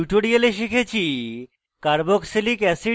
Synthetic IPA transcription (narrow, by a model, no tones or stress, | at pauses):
uʈoɾialeʃikʰet͡ɕʰi | kaɾboksilikɛsi